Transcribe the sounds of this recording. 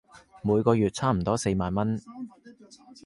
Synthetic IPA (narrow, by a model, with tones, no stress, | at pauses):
muː˨˧jkɔː˧jɥyː˨t̚t͡sʰaː˥m̩˨˩t̪ɔː˥se˧jmaː˨˧nmɐ˥n